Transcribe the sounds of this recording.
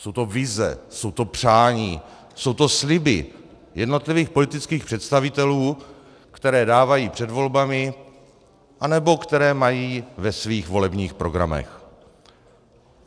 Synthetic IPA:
so̞wt̪ovɪzɛ̰so̞wt̪o̞pr̝̥aːɲiː | so̞wt̪o̞slɪbɪ̰ | jɛdno̞t̪lɪviːxpo̞lɪt̪ɪt͡skiːxpr̥ɛt̪st̪avɪt̪ɛluː | kt̪ɛɾɛːdaːvajiːpr̝̥ɛdvo̞lbamɪ | ʔanɛbo̞kt̪ɛɾɛːmajiːvɛsviːxvo̞lɛbɲiːxpɾo̞ɡɾa̰mɛ̰x

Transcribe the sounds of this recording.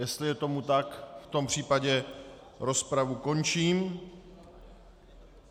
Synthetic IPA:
jɛst̪lɪjɛt̪o̞mut̪akft̪o̞mpr̝̥iːpaɟɛ | ɾo̞spɾavuko̞nt͡ʃiːm

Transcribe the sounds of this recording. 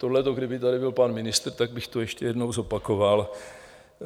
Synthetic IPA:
t̪odlɛt̪oɡdɪbɪt̪adɪbɪlpanmɪnɪst̪rt̪aɡ̚bɪxt̪ojɛʃcɛjɛdnowzo̞pakoval

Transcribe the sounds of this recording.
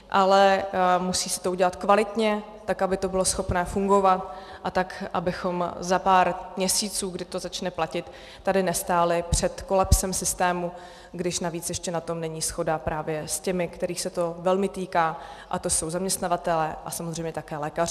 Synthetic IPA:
ʔalɛmusiːsɪ̥t̪ouɟɛlat̪kvalɪt̪ɲɛ | t̪akabɪt̪o̞bɪlo̞sxo̞pnɛːfuŋɡo̞vat̪ʔat̪akʔabɪxo̞mzapaːɾmɲɛsiːt͡suːɡdɪt̪o̞zat͡ʃnɛplacɪt̪ː | adɪnɛst̪aːlɪpr̝̥ɛt̪ko̞lapsɛmsɪst̪ɛːmu | ɡdɪʃnaviːt͡sjɛʃcɛnat̪o̞mnɛɲiːsxo̞dapɾʔaːvjɛscɛmɪkt̪ɛɾiːxsɛt̪o̞vɛlmɪt̪iːkaː | ʔat̪o̞so̞wzamɲɛst̪navat̪ɛlɛːʔasamozr̝ɛjmɲɛt̪akɛːlɛːkarɪ

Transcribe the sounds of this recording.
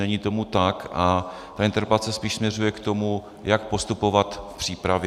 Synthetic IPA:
ɛɲiːt̪o̞mut̪akʔa | t̪aɪnt̪ɛɾpat͡sɛspiːʃsmɲɛrujɛkt̪o̞mu | jakpo̞st̪upo̞vat̪fpr̥iːpɾavj

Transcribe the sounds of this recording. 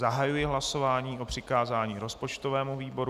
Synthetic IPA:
zaɦajujɪɦlaso̞vaːɲiːʔo̞pr̝̥ɪkaːzaːɲiːɾo̞spot͡ʃt̪ovɛːmuviːbo̞ɾ

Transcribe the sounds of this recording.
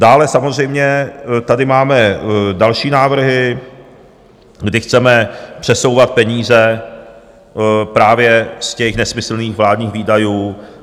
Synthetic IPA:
daːlɛsamozr̝ɛjmɲɛt̪adɪmaːmɛdalʃiːnaːvr̩ɦɪ | ɡdɪxt͡sɛmɛpr̝̥ɛsowvat̪̚pɛɲiːzɛ | pɾaːvjɛscɛxnɛsmɪsl̩niːxvlaːdɲiːxviːdajuː

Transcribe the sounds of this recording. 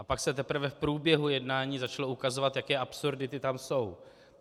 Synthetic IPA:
ʔapaksɛt̪̬ɛpɾ̩vɛfpɾuːbjɛɦujɛdnaːɲiːzat͡ʃaloʔukazo̞vat̪jakɛːʔapsuɾdɪt̪ɪt̪amso̞w

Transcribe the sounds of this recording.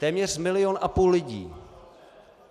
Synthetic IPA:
t̪ɛːmɲɛr̥mɪlɪjonʔapuːlːɪɟḭː

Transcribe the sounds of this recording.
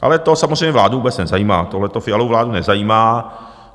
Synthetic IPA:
ʔa̰lɛt̪osamozr̝ejɲɛvlaːduvuːbɛt͡snɛzajiːmaːt̪oɦlɛt̪ofɪalowvlaːdunɛzajiːmaː

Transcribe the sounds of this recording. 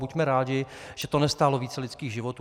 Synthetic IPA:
bucmɛɾaːɟɪ | ʒ̥ɛt̪onɛst̪aːlo̞viːt͡sɛlɪtt͡skiːɣʒɪvot̪u

